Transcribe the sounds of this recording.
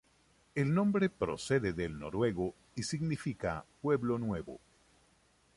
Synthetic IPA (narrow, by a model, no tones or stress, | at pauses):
elnõ̞mbɾepɾo̰se̞ðeðelno̰ɾwe̞ɣo | isiɣnifika̰pwe̞βlo̞nwe̞βo̰